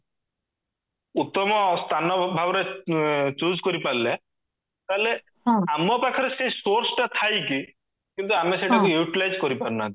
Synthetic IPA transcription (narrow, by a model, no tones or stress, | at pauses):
ut̪ːɔmɔst̪ʰanɔbʱabɔɾe | t͡ʃuzkɔɾipalle | t̪aɦele | amɔpakʰɔɾesesoɾsɔʈat̪ʰajki | kint̪uameseʈʰakuuʈilajzkɔɾipaɾunat̪i